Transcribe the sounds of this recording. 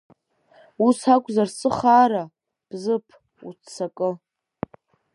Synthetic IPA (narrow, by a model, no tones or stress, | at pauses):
usakʷʼzarsʼɨχaːɾa | b̥zɨpʰ | ṵt͡sʰːakʼɨ